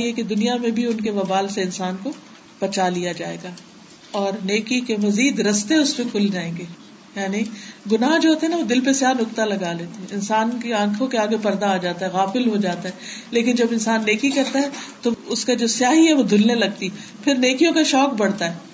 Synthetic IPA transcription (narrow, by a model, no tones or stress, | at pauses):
iɦɛked̪ʊnijamẽbʱiʊnkeʋɐbaːlseɪnsaːnko | b̥ɐt͡ʃalijad͡ʒaːḛːɡaː | ɔːɾneːkikemɐziːd̪ɾɐst̪eʊspekʰʊld͡ʒaːẽːŋɡeː | jaːniɡʊnaːɦd͡ʒoːɦoːt̪eɦɛnaʋod̪ɪlpesjaːnʊkt̪alɐɡaleːt̪eɦɛ̃ɪnsaːnkeãːkʰõkeaːɡepɐɾd̪aːd͡ʒaːt̪aɦɛɣaːfɪlɦod͡ʒaːt̪aɦɛleːkɪnd͡ʒɐbɪ̃nsaːnːeːkikɐɾt̪aɦɛt̪oʊskad͡ʒoːsjaːɦiɦɛʋod̪ʱʊlnelɐɡ̚t̪i | pʰɪɾneːkijõkaʃɔːk̚bɐɽt̪aɦɛː